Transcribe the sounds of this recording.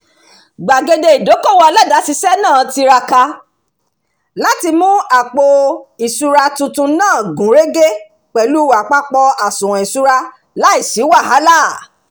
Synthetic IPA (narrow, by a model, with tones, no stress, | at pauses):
ɡ͡ba˨ɡe˧de˧i˨do˨˦ko˦˨wɔ˧la˦da˨˦si˧sɛ˦nãː˦˨ti˧ɾa˧ka˧ | la˦ti˧mũ˦a˨k͡po˧i˨su˧ɾa˧tũ˧tũ˧nãː˦˨ɡũ˨˦ɾe˦ɡe˦ | k͡pɛ˨lu˦wa˨k͡pa˦k͡pɔ˧a˨sũ˨ɾ̃ɔ̃˨i˨su˧ɾa˧ | la˦i˦˨si˨˦wa˦˨ɦa˨˦la˦˨